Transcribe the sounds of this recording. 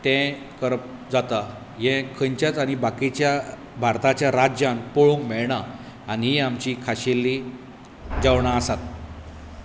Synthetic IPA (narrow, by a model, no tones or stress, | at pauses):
t̪ɛ̃ | kəɾəp̚ | d͡zat̪a | jɛ̃kʰəɲt͡ɕjat͡saɽ̃ibakit͡ɕja | bʱaɾt̪at͡ɕjaɾad͡ʑjãnpoɭõŋkmɛɭɳaː | niɦiamt͡ɕiːkʰaɕelːi | d͡ʑawɳaəsat̪̚